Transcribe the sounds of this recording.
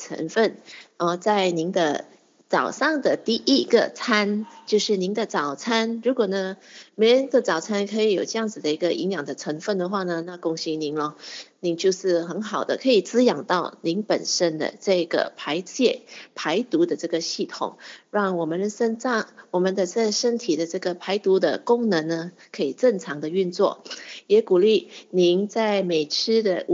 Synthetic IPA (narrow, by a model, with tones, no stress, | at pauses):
ʈ͡ʂʰə̰˧˥ŋfə˥˩nə˥˧t͡sa˥˩ɪni˧˥nd̪ə̰˧ | t͡sɑ˨˩ʊʂɑ˥˩ŋd̪ə˩t̪i˥˩ʔi˥ɡə̰˨t͡sʰa˥nt͡ɕjo˥˧ʊʂɻ̩˥˩ni˧˥nd̪ə˧t͡sɑ˨˩ʊt͡sʰa˥nɻu˧˥kwɔ˨˩nə˦me˧˥ɪɻə˧˥n˥ɡ̪ə˨t͡sɑ˨˩ʊt͡sʰa˥nkʰɤ˧˥i˧˩jo˨˩ʊʈ͡ʂɤ˥˧jɑ˥˩ŋd͡zɹ̩˨˩d̪ə˩i˧˥ɡə˧ʔi˧˥ŋjɑ˨˩ŋd̪ə˦ʈ͡ʂʰə˧˥ŋfə˥˩nd̪ə˩xwa˥˩nə˩na˥˧kʊ˥˩ŋɕi˧˥ŋni˧˥nlə˧ni˧˩ŋt͡ɕjo˥˧ʊʂɻ̩˥˩xə˧˥nxɑ˨˩ʊd̪ə̰˦kʰɤ˧˥i˨˩t͡sɹ̩˥jɑ˨˩ŋt̪ɑ˥˩ʊni˧˥ŋpə˨˩nʂə˥nd̪ə̰˨ʈ͡ʂɤ˥˩ɡə̰˩pʰa˧˥ɪt͡ɕjɛ˥˩pʰa˧˥ɪt̪u˧˥d̪ə˨ʈ͡ʂɤ˥˩ɡə˩ɕi˥˩t̪ʰʊ̰˨˩˦ŋɻɑ˥˩ŋwɔ˨˩mə˦nə˩ʂə˥nɑ˥˩wɔ˨˩mə˧˦nd̪ə˧ʂə˥˩ʂə˥nt̪ʰi˨˩d̪ə˦ʈ͡ʂɤ˥˩ɡə˩pʰa˧˥ɪt̪u˧˥d̪ə̰˧kʊ˥ŋnə˧˥ŋnə˧ | kʰɤ˧˥i˨˩ʈ͡ʂə˥˩ŋʈ͡ʂʰɑ˧˥ŋd̪ə˧y˥˧nt͡swɔ̰˥˩jɛ˧˥ku˨˩li˥˩ni˧˥nt͡sa˥˩ɪme˨˩ɪʈ͡ʂʰɻ̩˥d̪ə̰˨